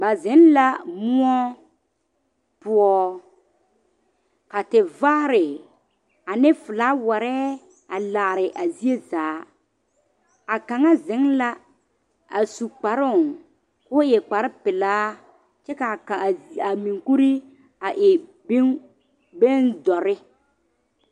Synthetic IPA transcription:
ba˨zɪ˨˦n˦la˦mʊ˦ɔ˦ | pʊ˦ɔ˦ | ka˨tɪ˨va˦ɾɪ˨ | a˨nɪ˦fʊ˨laː˦wa˨ɾɛː˦ | a˨la˨ʔɾɪ˨ʔa˨zi˦e˦zaː˨˦ | a˨ka˨ŋa˦zɪ˨˦ŋla˦ | a˨su˨k͡pa˨ɾʊ˦˨ŋ | kʊː˦jɛ˨k͡pa˨ɾɪ˦pɪ˨laː˦ | t͡ʃɛ˦ka˨ka˨a˨mĩ˨ŋku˦ɾi˦ | a˨ʔɪ˨˦ | be˦ndɔ˨ɾɪ˦

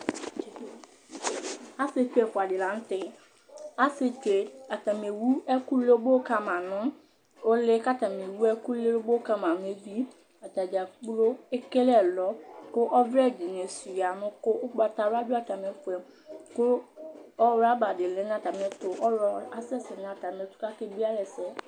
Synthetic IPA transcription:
a˦se˦t͡ʃu˦e˨fʊ˨a˨dɪ˨lã˨˦n̩˦tɪ˦ | a˦se˨te˨a˨ta˨m˨e˨wu˦ɛ˦ku˦le˦bo˦ka˦mã˨nʊ̃˦ | o˦lɪ˦ka˦ta˨me˨wu˦ɛ˦ku˦le˦bo˦ka˦mã˨nʊ̃˦e˦vi˦ | a˨ta˨d͡ʒa˨k͡plo˦e˦ke˦lɛ˦˨lɔ˦kʊ˦ʔɔ˦vɾɛ˦˨d͡ʒɪ˨n˨ɛ̃˨su˨ja˨nʊ̃˦kʊ˦ʊ˦k͡pa˨ta˨ɾa˦dʊ˦a˨ta˨m˨ɛ˨˦fʊ˨ɛ˨ | kʊ˦ɔ˦wɾa˦ba˨dɪ˨lɪ˦ñ˦a˦˨ta˨m˨ɛ˦tʊ˨ʔɔ˦ɾɔ˦a˨sɛ˦sɪ˨nʊ̃˨a˨ta˨mɛ˨tʊ̥˦ka˦ke˦bi˦a˦lɛ˨sɛ˦

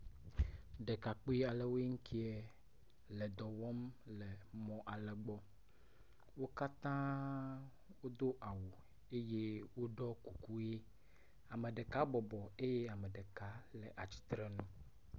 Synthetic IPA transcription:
ɖe˨ka˨k͡pi˦a˨le˨wo˦e˦ŋ̩˦kʰi˦ɛ˦ | le˨d̪ɔ˨wɔ˦mle˨mɔ̃˨ʔa˨lɛ˨ɡ͡bɔ˦ | wo˦ka˦t̪ã˦ | wo˦d̪o˦ʔa˨wo˨ | e˦je˦wo˦ɖɔ˦ku˨ku˦je˦ | a˨me˨ɖe˨ka˦bɔ˨bɔ˨e˦je˦a˨me˨ɖe˨ka˨˦le˨ʔa˨t͡ɕi̥˨t̪ɾe˨nũ˦

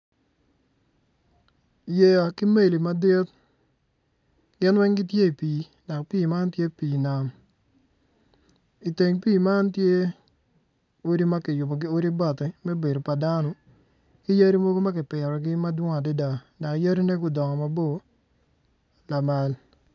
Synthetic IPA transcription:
je˨a˨kɪ˦me˦˨li˨ma˨˦de˦t̪ | ɡ̥ɪ˦nwɛ˦ŋɡɪ˦tje˦i˨pi˨˦ | da˨kpiː˦˨ma˦ntje˦piː˨na˦m | i˨te˨ŋpiː˦˨ma˦ntje˦ | o˦ɾi˦ma˦kɪ˨jʊ˨bɔ˨ɡo˦ɾi˦ba˨t̪ɪ˨mɛ˦be˨do˨pa˨da˦nɔ˨ | kɪ˦ja˦ɾi˦mo˦ɡo˦ma˦kɪ˨pɪ˨ɾɔ˨ɡɪ˦ma˦dwʊ˦ŋa˨de˦da˨ | da˨kja˦ɾi˦ne˦ɡʊ˨dɔ˨ŋɔ˨ma˨bo˦˨ | la˨ma˨˦l

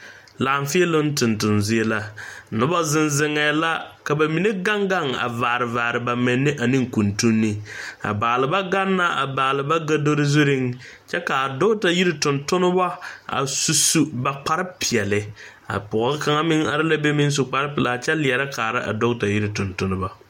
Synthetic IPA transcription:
laː˨ɱfi˦e˦lʊ˦n˦tʊ˨ntʊ˨nzi˦e˦la˨nʊ˦ba˦zɪ˦nzɪ˨ŋɛ˨la˦ka˨ba˨mi˨ne˦ɡa˦ŋɡa˦˨ŋa̰˨vaː˨ɾɪ˨vaː˨ɾɪ˨ba˨mɪ˨nːɪ˦ʔa˨nɪ˦ŋ˨ku˨ntu˦nːi˦a̰˨baː˨lɪ˨ba˦ɡa˦nːa˦ʔa̰˨baː˨lɪ˨ba˦ɡa˦do˦ɾɪ˦zu˦ɾɪ˦ŋ | t͡ʃɛ˦kaː˨dʊ˦ta˨ji˦ɾɪ˦tʊ˨ntʊ˦nʊ˦ba˦a̰˨su˨su˦ba˨k͡pa˦ɾɪ˦pɪ˨ɛ˨lɪ˨ | a̰˨pʊ˨˦ɪ˦ka˨ŋa˦mɪ˦ŋa̰˨ɾɪ˦la˦be˦mɪ˦n˦s̬ʊ˨k͡pa˨ɾɪ˦pɪ˨la˨t͡ʃɛ˦lɪ˨ɛ˨ɾa˦kaː˨ɾɪ˦ʔa̰˨dʊ˦ɡta˨ji˦ɾɪ˨tʊ˨ntʊ˦nɪ˦ba˨

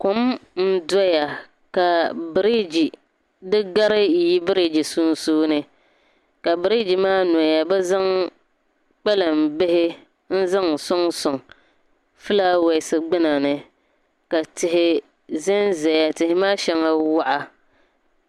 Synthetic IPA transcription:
kʊ˦mn̩˦dɔ˦ja˨ | ka˨bɨ˨ɾi˦d͡ʒi˨ | dɨ˦ɡa˦ɾɪ˦ji˦bɨ˦ɾi˦d͡ʒi˨suː˦n˦suː˦nɨ˦ | ka˨bɨ˨ɾi˦d͡ʒi˨maː˦n˨ja˨bɛ˦za˦ŋ | k͡pɛ˦lɨ˨m˨bɪ˦hɪ˦ | n̩˦za˦ŋ˨sʊ˦ŋsʊ˨ŋ | fɨ˦la˦wɛ˨ɪ˨sɨ˨ɡ͡bɪ˦na˨nɨ˦ | ka˨tɪ˨ɦɪ˨ | zɛ˦nzɛ˨ja˨tɪ˨hɪ˨maː˦ʃɛ˦ŋa˦wa˦ʔa˦

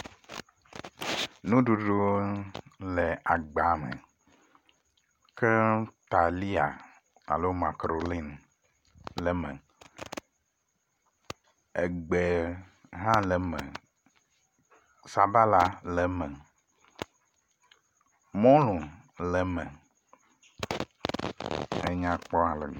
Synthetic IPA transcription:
nũ˦ɖu˨ɖo˦ | le˨a˨ɡ͡ba˨˦mɛ̰˨ | ke˦t̪a˨li˦a̰˨ | a̰˨lo˦ma˨kɾo˨li˦n | lɛ˨mɛ̰̃˨ | e˨ɡ͡be˨ɦã˦le˨mɛ̰̃˨ | sa˨ba˦la˦lɛ˨mɛ̃˨ | mɔ̃˦lũ˨ | lɛ˨mɛ̃˨ | ḛ˨ɲã˨k͡pɔ˦ã˨lḛ˨

